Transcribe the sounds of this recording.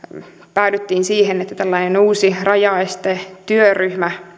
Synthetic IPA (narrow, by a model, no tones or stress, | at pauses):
pæydyt̪ːiːnsiːhenet̪ːæt̪ælːɑinenuːsirɑjɑest̪et̪yøryhmæ